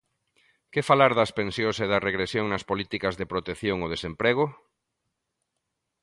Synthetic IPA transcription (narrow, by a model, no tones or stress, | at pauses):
kefalaɾðɐspẽnsjõseðɐreɣɾesjoŋnɐspolit̪ikɐzðepɾot̪eθjoŋoð̞esempɾeɣ̞ʊ